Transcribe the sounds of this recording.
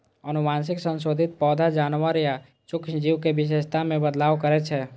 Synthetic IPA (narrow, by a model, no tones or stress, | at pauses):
ənʊmaːnsɪksə̃nsoːd̪ʱɪt̪̚pɔːd̪ʱad͡ʒaːnwəɾja | t͡ʃʊkʃd͡ʒiwkeʋɪʃ̬eːʃt̪ʰamẽbəd̪laːʋkəɾɛt͡ʃʰɛ